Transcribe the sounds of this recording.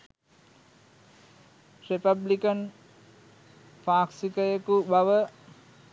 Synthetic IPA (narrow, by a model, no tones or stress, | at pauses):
repablikən | paːksikəjəkubaʋə